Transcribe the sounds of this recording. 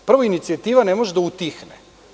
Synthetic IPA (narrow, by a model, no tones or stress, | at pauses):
pr̩ʋoinit̪siat̪iːʋanemoʒed̪aut̪ixnḛ